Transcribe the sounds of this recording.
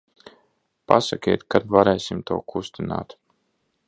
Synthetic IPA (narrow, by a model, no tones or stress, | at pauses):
pa̰sakʲeːt̪kad̪vaɾɛːsimt̪ṵːkʰust̪ina̰ːt̪